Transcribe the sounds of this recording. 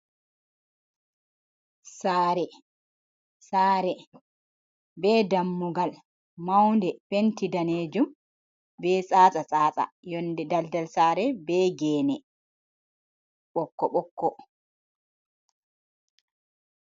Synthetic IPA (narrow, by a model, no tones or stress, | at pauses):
saːɾɛ | saːɾɛ | bɛdamːuɡal | mawndɛfentidaneːd͡ʒum | bɛsʼaːt͡sʼasʼaːt͡sʼa̰jɔndɛdaldalsaːɾɛbɛɡɛːnɛ | ɓɔkːɔɓɔkːɔ